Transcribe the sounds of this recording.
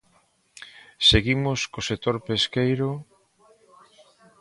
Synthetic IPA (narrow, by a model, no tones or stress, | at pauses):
seɣimoskosekt̪oɾpeskejɾo